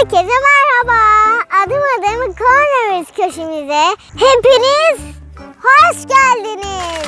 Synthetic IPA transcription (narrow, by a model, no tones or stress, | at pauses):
cezɛmaɾhabaːd̪ɯmad̪ɯmkʰonaɾɯzcʰøʃimizɛhempinizhoʃɟælʲd̪iniz̥